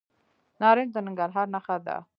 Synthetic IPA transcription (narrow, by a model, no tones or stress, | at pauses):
nɑɾɪnd̪ənəŋɡaɾɦaːɾnaxad̪a̰